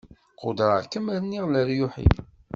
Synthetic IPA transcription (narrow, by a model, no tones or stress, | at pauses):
qod̪ɾˤəʁkəmæɾnːiʁləɾjʊħḭ